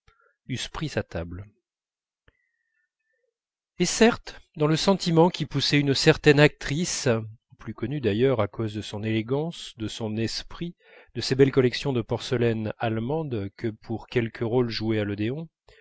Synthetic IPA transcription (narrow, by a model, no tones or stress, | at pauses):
yspχisat̪abl | esɛʁt̪d̪ɑ̃ləsɑ̃t̪ʰimɑ̃kʲipusɛynsɛʁt̪ɛnak̚t̪χis | plykɔnyd̪ajœʁakʰozd̪əsɔ̃neleɡɑ̃sd̪əsɔ̃nɛspχi | d̪̥əsebɛlkɔlɛksjɔ̃d̪əpɔʁsəlɛnalmɑ̃d̪kʰəpʰuʁkʲɛlkʰəʁolʒuealɔd̪eɔ̃